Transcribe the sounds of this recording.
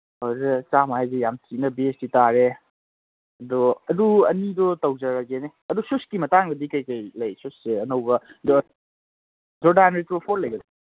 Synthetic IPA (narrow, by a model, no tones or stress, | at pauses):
ɔɾɐt͡ʃamaajzejamtinɐbesditaɾe | ɐdɔɐduɐ̰nidɔtɐwd͡ʒɐɾɐɡene | ɐdususkimɐtaŋɡɐdikajkɐjlɐjsusːeɐnɐwbɐdɔ | zɔdaanɾetupʰoɾlɐjɡɐd